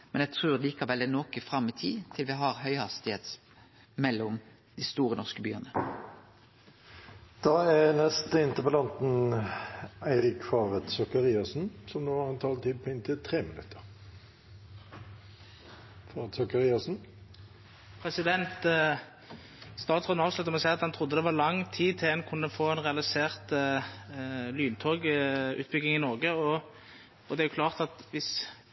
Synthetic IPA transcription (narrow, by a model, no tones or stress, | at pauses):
mɛnjæɡ̚t̪ʰʁʉːʁliːkɑʋɛlːɛnoːkəfɾɑmːɪt̪ʰḭːt̪ʰɪlʋɪɦɑʁɦœʏhɑst̪ɪheːt̪ | mɛlːʊm | d̪ɪst̪uːʁənɔskəbyːənə | d̪̥ɑːɛnɛst̪əɪnt̪əʁpəlɑnt̪n̩ | æɪʁɪkfɑːʋət̪sɔkəʁiːɑsn̩sɔmnoːɑɛnt̪ʰɑːlt̪ʰɪd̪̚pʰɔɪnt̪ʰɪlt̪ʰʁeːmɪnʉ̰t̪ːə̥ʁ | fɑːʁɛt̪sɔkəʁiːɑsn̩ | pʰɾɛsɪd̪ɛnt̪ | st̪ɑːt̪sʁɔːnɑːʋslʉt̪əɔmɔsæɪɑt̪hɑnt̪ʰʁʊd̪ːəd̪ɛʋɑʁlɑŋːt̪ʰiːt̪ʰɪlɛnkʰʊnːəfoːɛnʁɛɑlɪseːʁt̪ | lyːnt̪ʰoːɡʉ̰ːt̪̚bʏɡɪŋɪnɔʁɡəɔ | ɔd̪ɛæjʊklɑːʁt̪ɑt̪ʋɪs